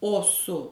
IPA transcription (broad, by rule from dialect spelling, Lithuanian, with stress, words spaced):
ˈoː sʊ